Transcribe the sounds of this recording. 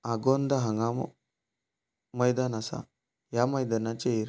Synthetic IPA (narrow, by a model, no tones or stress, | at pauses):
aɡond̪aɦaŋɡam | məjd̪anasa̰ | jaməjd̪anat͡ɕeiɾ